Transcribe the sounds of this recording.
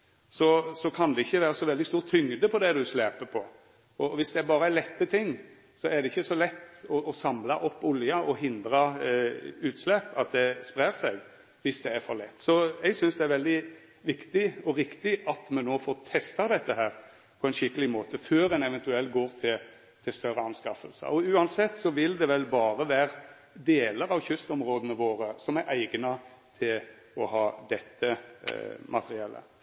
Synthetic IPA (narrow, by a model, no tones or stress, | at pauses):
sɔsɔkʰɑnd̪ɛɪçːəʋæːɾəsɔʋɛld̪ɪst̪uːɾt̪ʰʏŋd̪əpʰɔd̪ɛd̪ʉslæːpəpʰɔ | ɔʋɪsd̪ɛæɾbɑːɾəælɛt̪ːət̪ʰɪŋː | sɔæɾd̪ɛɪçːəsɔlɛt̪ːɔʔɔsɑmlɑʔɔpːʊljɑʔɔɦɪnd̪ɾɑ | ʉːt̪slɛpːɑt̪̚d̪ɛspɾæːɾsɛɡ | ʋɪsd̪ɛæɾfɔɾlɛt̪ːsɔɛɡsʏnsd̪ɛæɾʋɛld̪ɪ | ʋɪkt̪ɪɔɾɪkt̪ɪɑt̪mɛnnoːfoːɾt̪ʰɛst̪ɑd̪ɛt̪ːəɦæːɾ | pʰɔɛɪnʃɪkːəlɪmoːt̪əføːɾɛnɛʋɛnt̪ʉɛlːɡoːɾt̪ʰɪl | t̪ʰɪlst̪œɾəɑnskɑfəlsə̰ɔʉːɑnsɛt̪ːsɔʋɪld̪ɛʋɛlbɑːɾəʋæːɾ | d̪eːləɾɑʋçʏst̪ɔmɾoːd̪ənəʋoːɾəsɔmæɾʔæɪɡnɑt̪ʰɪl | ɔhɑːd̪ɛt̪ːə | mʔɑt̪ʰəɾɪɛlːə̰